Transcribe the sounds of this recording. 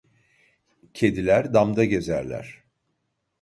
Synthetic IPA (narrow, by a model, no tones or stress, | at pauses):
cʰe̞d̪ilʲæɾd̪amd̪aɟe̞zæɾlʲæ̰ɾ̥